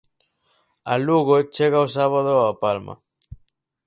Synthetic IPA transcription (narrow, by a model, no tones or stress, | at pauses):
aluɣot͡ʃeɣaosaβaðoapalma̰